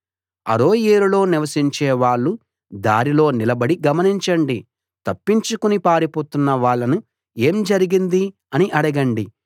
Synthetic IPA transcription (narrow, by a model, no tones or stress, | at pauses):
ɐ̰ɾoːjeːɾulo̞ːniʋɐsiɲt͡ʃɛːʋaːɭːu | d̪aːɾilo̞ːnilɐbɐɽiɡɐmɐniɲt͡ʃɐɳɖi | t̪ɐpːiɲt͡ʃukunipaːɾipoːt̪unːɐʋaːɭːɐnu | e̞ːmd͡ʒɐɾiɡind̪i | ɐniʔɐɽɐɡɐɳɖi